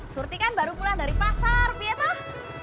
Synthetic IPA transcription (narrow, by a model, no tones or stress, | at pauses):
surt̪ikanbaɾupulahda̤ɾipasarbiɛt̪ɔh